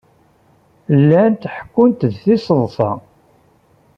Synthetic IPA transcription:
lːænt̪ħə̥kːʊnt̪ðθisəðˤfɑ̰

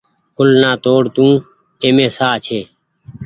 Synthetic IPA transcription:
kʰʊlnaːt̪oːɽt̪ũː | eːmẽːsaːt͡ʃʰeː

